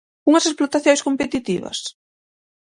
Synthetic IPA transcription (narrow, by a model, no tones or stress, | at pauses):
uŋɐsesplot̪aθjõjskompet̪it̪iβɐ̰s